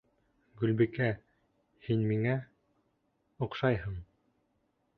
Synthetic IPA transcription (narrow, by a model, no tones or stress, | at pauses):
ɡʉlbikæ | hinmiŋæ | ŏqʃɑjɦɤm